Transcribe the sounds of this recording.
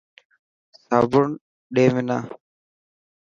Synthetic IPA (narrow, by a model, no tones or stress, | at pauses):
saːbʊɳ | ɗeːmɪna̰ː